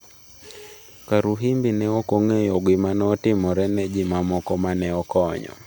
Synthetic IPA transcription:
kaɾuɦimbinɛɔkoŋejɔɡwimanɔtimɔɾɛnɛd͡ʒimamɔkɔmanɛɔkɔɲɔ̰

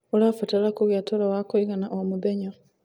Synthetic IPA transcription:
olafatalakuɣjatʰolawakoiɣanaʔomubeɲo

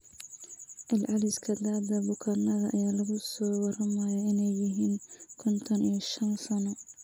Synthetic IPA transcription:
ʔɪlʕɑlɪskʰɐd̪aːd̪ɐbʊkʰanɐðɐʔɐ̰jaːlɐɣʊsɔːwɑrɐmɐjɔɪnɛjːɪɦiːŋkʰɔnt̪ʰɐnijɐʃɐnsɐnɔ

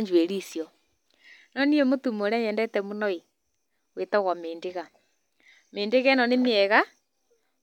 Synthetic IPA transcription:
ɲd͡ʒweɾisjo | nɔniemotumoɾɛɲɛndɛtɛmunɔi | wetaɣwameːndeɣa | meːndeɣɛnɔnemiɛɣa

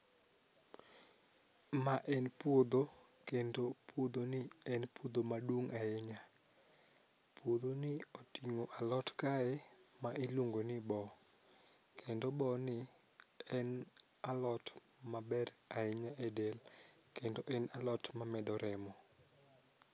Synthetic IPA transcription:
maʔɛnpwod̪o | kendopʰwod̪onɪɛnpod̪omaduŋaɪɲa | pʰwod̪onɪotiŋoʔalɔtkaɛmaʔiloŋɡonɪbɔ | kʰendobɔnɪ | ɛn | alɔtmabɛraɪɲaʔedelkendoʔɛnalɔtmamɛdɔɾʔɛmɔ

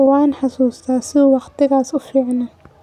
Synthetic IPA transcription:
waːnħɑsuːst̪ʰaːsɪðuwɑqt̪ʰɪɣaːsʊfiːʕnɐ

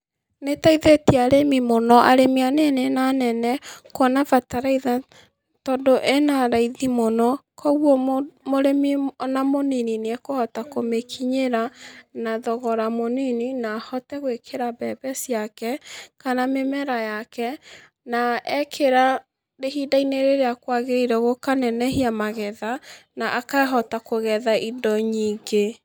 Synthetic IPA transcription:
netaiðetiaɾemimonɔʔa̰ɾemianenenanɛnɛkwɔnavataɾaiða | tɔdoʔenaɾaiðimonɔkʰɔɣwɔmoɾeminamonininɛkohɔtakomekʰiɲeɾanaðɔɣɔɾamonininahɔtɛɣwekʰeɾabɛbɛsiakɛkanamemɛɾajakɛ | naɛkʰeɾa | ɾehidaineɾeɾeakwaɣeɾiɾɛɣokanɛnɛhiamaɣɛðanaʔakaɦɔtakoɣɛðaʔidɔɲiːɡe

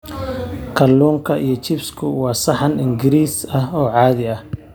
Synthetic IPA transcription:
kʰɐlːuːŋkʰɐʔijɞt͡ʃɪbskʰʊwɑːsɑħɑnɪŋɡɪɾiːsɐɦɔːʕɑːðɪɐh

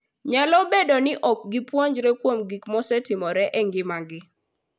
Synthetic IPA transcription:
ɲalɔbedonɪʔɔk̚ɡɪpwɔɲd͡ʒɾɛkwomɡikmɔsɛtɪmɔɾɛʔɛŋɡɪmaɡɪ

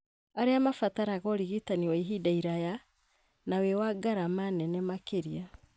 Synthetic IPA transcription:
aɾeamafataɾaɣɔɾiɣitaniwaiɦidaiɾaja | nawewaɡaɾamanɛnɛmakeɾia

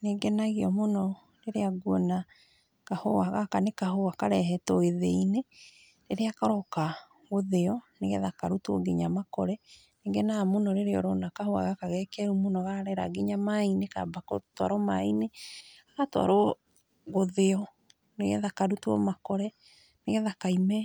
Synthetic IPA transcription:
neɡɛnaɣɔmonɔ | ɾeɾeaɡwɔna | kahoaɣakanekaɦoakaɾɛɦɛtɔeðeine | ɾeɾeakaɾɔka | ɣoðeɔneɣɛ̰ðakaɾutwɔ̰ɡeɲamakɔɾɛ | neŋɡɛnamonɔɾeɾeɔ̰ɾɔnakahoa̰ɣakaɣɛkɛɾumonɔɣaɾɛɾa̰ɡeɲamaineka̰bakɔ̰twa̰ɾɔma̰ineaɣatwa̰ɾɔ | ɣoðeɔ | neɣɛ̰ðakaɾutwɔ̰makɔɾɛ | neɣɛðakaimɛ

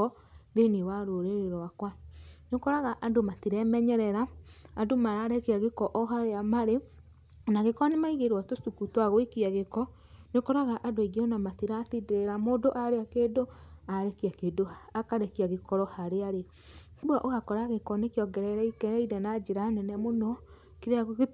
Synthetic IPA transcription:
ɔ | ðeniwaɾoɾeɾeɾɔakwanokɔɾaɣaʔadomatiɾɛmɛɲɛɾɛɾaːndomaɾaːɾekiaɣekɔʔɔɦaɾeamaɾe | naɣekɔnemaiɣeɾwatosukutwaɣwekiaɣekɔ | nekɔɾaɣaʔadoiɣiɔnamatiɾatideɾeɾamoːdoʔaɾeakeːdoaɾekiakedoakaɾekiaɣekɔɾɔhaɾeaɾe | kwaʔoɣakɔɾaɣekɔnekjɔɡɛɾɛɾɛikɛɾɛiɾɛnad͡ʒeɾanɛnɛmonɔ | keɾeaɣoɣe

